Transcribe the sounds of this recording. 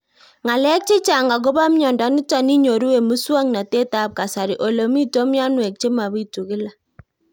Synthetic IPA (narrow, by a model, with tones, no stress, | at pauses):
ŋa˨lɛ˦k̚t͡ʃe˦t͡ʃa˨ŋɡa˨ɡ̬o˦ba˦m˦ɲɔ˨nda˨˦nɪ˦ta˨ni˦ɲo˨ɾu˦we˨mu˦swa˦ŋna˨te˦ta˦p̚ka˨sa˨ɾi˨ʔo˨lo˨mi˦tɔ˦mja˦nwɛ˨k̚t͡ʃe˦ma˨βi˦i˦tu˨kɪ˦la˨